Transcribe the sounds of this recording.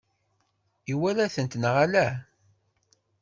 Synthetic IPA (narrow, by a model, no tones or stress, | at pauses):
iwælæθənt̪nʁalæ